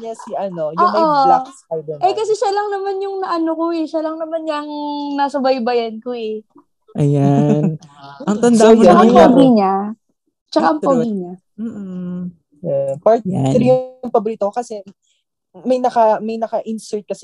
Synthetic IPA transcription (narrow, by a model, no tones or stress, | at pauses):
ɲasiʔɐno̞jʔʊːʔolaskajd̪ɛnʔɛjkɐsɛʃalɐŋnɐmanjʊŋnɐʔɐnokoɛʃalɐŋnɐmanjɐŋnɐsɐbɐjbɐjɐnkoɛ | ʔɐjanɐt̪ɐd̪aakaʔɐŋpaɡiɲa | t͡ʃɐkaʔɐŋpɐɡiɲa | m̩ː | ɛpaɹt̪̚ɾjʊŋpɐbʊɾiːt̪ɐkokɐsɛ | mɐjnɐkɐmɐjnɐkɐʔɪnsɛɹt̪̚kɐsɛ